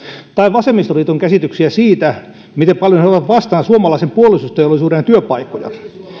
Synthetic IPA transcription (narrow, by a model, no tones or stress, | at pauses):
t̪ɑiʋʋɑsemːist̪oriːt̪oŋkæsit̪yksiæsiːt̪æ | mit̪empɑljoneoʋɑt̪ʋɑst̪ɑnɑsuomɑlɑisempuolisust̪eolisuːrenɑt̪yøpɑikojɑ̰